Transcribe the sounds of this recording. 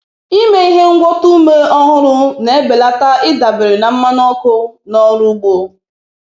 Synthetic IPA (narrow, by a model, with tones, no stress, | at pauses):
i˦me˦i˦ɦe˦ŋ̩˦ɡʷɔ˦tu˦me˦ɔ˦ɦʊ˦ɾʊ˦ne˨˦be˨la˦ta˦ɪ˦da˨bɪ˨ɾɪ˨na˨m̩˦ma˦nɔ˦kʊ˦nɔ˦ɾu˦ɡ͡bo˦